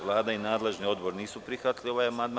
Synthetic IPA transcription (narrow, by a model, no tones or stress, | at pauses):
ʋlˠaːd̪ainaːd̪le̞ʒnio̞d̪bo̞ɾniːsupɾixʋat̪lio̞ʋajamand̪m